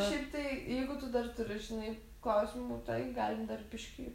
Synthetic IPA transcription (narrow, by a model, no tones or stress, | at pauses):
ʃɛɪpt̪ɐɪjɛɪɡʊt̪ʊd̪ɐrt̪ʊɾʲɪʒʲɪnɐɪ | klˠɑʊsʲmuːt̪ɐɡɑːlʲɪmd̪ɐrpʲɪʃʲkʲiː